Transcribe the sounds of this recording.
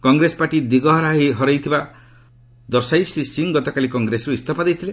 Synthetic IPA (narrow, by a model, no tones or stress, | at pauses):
kɔŋɡɾesɔ̥paʈid̪iɡɔɦɔɾaɦiɦɔɾajt̪ʰiba | d̪ɔɾsajsisiŋɡɔt̪ɔkalikɔŋɡɾesɔɾuist̪ʰɔpad̪ejt̪ʰile